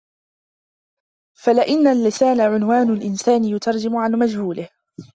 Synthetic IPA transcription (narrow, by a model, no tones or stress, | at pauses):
falɪʔɪnːalːɪsaːnaʕʊnwaːnʊlʔɪnsaːnɪjʊt̪ʰɑɾˤd͡ʒɪmʊʕanmad͡ʒhuːlɪh